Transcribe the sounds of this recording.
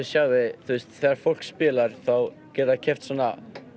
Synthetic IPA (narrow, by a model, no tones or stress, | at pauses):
sjaːɣvɪθɪst̪θɛːaɾ̥fowl̥kspɪːlaɾ̥θaw | cɛːt̪acʰɛft̪sɔːna